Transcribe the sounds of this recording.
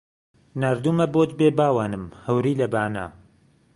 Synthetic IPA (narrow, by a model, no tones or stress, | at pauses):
naːɾd̪uːmɐboːt̪beːbaːwaːnɨmhɐwɾiːlɐbaːna̰ː